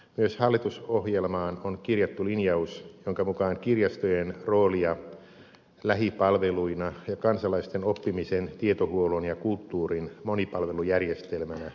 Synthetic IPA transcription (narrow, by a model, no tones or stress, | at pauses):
myøshɑlːit̪usohjelmɑːnonkirjɑt̪ːulinjɑusjoŋkɑmukɑːŋkirjɑst̪ojenroːliɑ | læhipɑlʋeluinɑjɑkɑnsɑlɑist̪enopːimisent̪iet̪ohuolonjɑkult̪ːuːrinmonipɑlʋelujærjest̪elmænæ